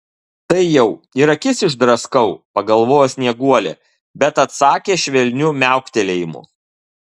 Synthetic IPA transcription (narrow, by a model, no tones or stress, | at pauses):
t̪ɐɪjɛʊɪɾɐkʲɪsɪʒd̪ɾɐskɐʊpɐɡɐlˠʋoːjosʲnʲiɛɡuɔlʲḛː | bʲɛt̪ɐt̪sɑːkʲeːʃʲʋʲɛlʲnʲʊmʲæˑʊkt̪ʲelʲeːjɪmʊ̰